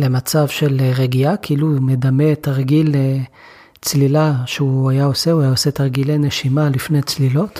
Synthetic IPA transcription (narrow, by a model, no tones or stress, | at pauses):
le̞mat͡savʃe̞lʁeɡiakʰiilumed̪ametaʁɡile | t͡slilaʃeuajao̞se̞uajaose̞t̪aʁɡilejne̞ʃimalifnet͡slilo̞t̪